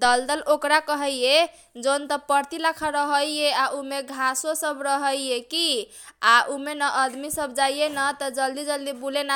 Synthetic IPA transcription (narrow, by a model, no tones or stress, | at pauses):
d̪əld̪əlokɾakəɦəjje | d͡ʒont̪əpəɾt̪ilakʰaɾəɦəjeaʔumeɡʱãsosəbɾəɦəjeki | aʔumenəʔəd̪misəbd͡ʒajjenət̪ɔd͡ʒəld̪id͡ʒəld̪ibulena